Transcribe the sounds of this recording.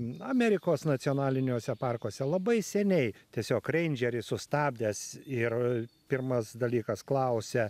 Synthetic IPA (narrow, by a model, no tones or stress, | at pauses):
ɐmʲɛɾʲɪkoːsnɐt̪sʲɪɔːnɑːlʲɪnʲoːsʲɛpɑrkoːsʲɛlˠɐbɐɪsʲɛnʲɛɪt̪ʲiɛsʲoːkrʲɛɪnʲd͡ʒʲɛɾʲɪsʊst̪ɑːbʲd̪ʲɛsɪrpʲɪrmɐsd̪ɐlʲiːkɐsklˠɐʊsʲɛ